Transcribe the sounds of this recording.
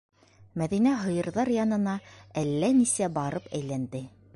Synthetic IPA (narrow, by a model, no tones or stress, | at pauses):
mæðinæɦɤ̆jɤ̆ɾðɑɾjɑnɤ̆nɑælːænisæbɑɾɤpæjlænd̪ɘ